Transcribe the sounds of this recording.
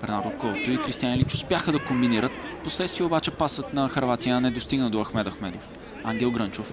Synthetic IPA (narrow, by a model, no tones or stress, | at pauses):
pɾɛnablɐkɔvot̪oikɾist̪ianilit͡ʃʊspjaxəd̪ɐkombiniɾət̪poslɛt̪st̪viɛobat͡ʃɛpasət̪nɐxɐɾvat̪ijəːnɛd̪ost̪iɡnəd̪oɐxmɛt̪ɐxmɛd̪of | aŋɡʲɛlˠɡɾɤnt͡ʃof